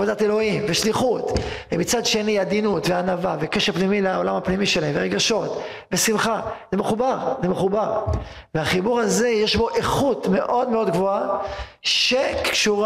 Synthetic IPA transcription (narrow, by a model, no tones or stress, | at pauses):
vodate̞lo̞imveʃliχut̪vemit͡sad̪ʃe̞niad̪inut̪veanavavekeʃepnimilaolamhapnimiʃelaemveʁeɡaʃo̞t̪ | vesimχazemeχubaʁzemeχubaʁ | veaχibuʁaze̞jeʃbo̞ʔeχut̪me̞ʔo̞dme̞o̞d̪ɡvo̞a | ʃe̞kʃuʁ